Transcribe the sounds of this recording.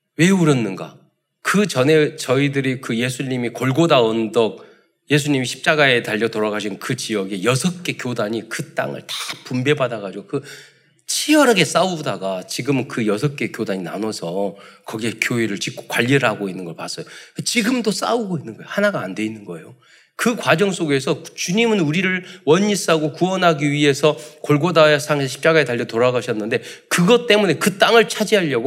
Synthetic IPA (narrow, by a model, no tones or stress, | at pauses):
we̞uɾʌnːɯnɡa̰ | kɯt͡ɕʌne̞t͡ɕʌidɯɾikɯje̞sʰuɲimikoɭɡodaʌndʌk̚ | je̞sʰuɲimiɕʰi̥p̚t͡ɕ͈aɡae̞taʎːʌtoɾaɡaɕʰinkɯt͡ɕiʌɡejʌsʰʌk͈e̞kjodaɲikɯt͈a̰ŋɯ̰ɭtḁpumbe̞badaɡad͡ʑiɡokɯ | t͡ɕʰiʌɾɦaɡe̞s͈audaɡat͡ɕiɡɯmkɯjʌsʰʌk͈e̞kjodaɲina̰nʌsʰʌkʌɡie̞kjoeɾɯɭt͡ɕik͈o̥kwaʎːiɾɯɭɦaɡoinːɯnɡʌɭpas͈ʌjoket͡ɕiɡɯmdos͈a̰uɡoinːɯnɡʌjohanaɡaːnde̞inːɯnɡʌḛjo | kɯkwad͡ʑʌŋs͈oɡe̞sʰʌt͡ɕuɲimɯnuɾiɾɯɭwʌɲis͈aɡokuʌnɦaɡiɥie̞sʰʌkoɭɡodaesʰaŋeɕʰi̥p̚t͡ɕ͈aɡae̞taʎːʌtoɾaɡaɕʰʌnːɯnde̞kɯɡʌt͈e̞mune̞kɯt͈aŋɯɭt͡ɕʰad͡ʑiɦaʎːʌɡo